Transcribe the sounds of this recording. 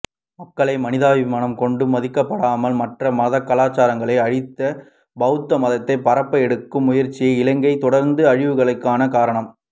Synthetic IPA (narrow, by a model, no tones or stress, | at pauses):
mɐkːɐɭɐɪmɐnɪðaːʋɪmaːɳɐmkɔɳɖɯmɐðɪkːɐpːɐɽaːmɐlmɐʈrɐmɐðɐkːɐlaːt͡ʃaːɾɐŋɡɐɭɐɪɐɻɪt̪ːɐ | bɐɣɯt̪ːɐmɐðɐt̪ːɐɪpːɐɾɐpːɐɛɽɯkːɯmːʊjɐɾt͡ʃːɪjɐɪlɐŋɡɐɪt̪ɔɽɐɾnd̪ɯɐɻɪʋɯɣɐɭɐɪkːaːnɐkaːɾɐɳɐm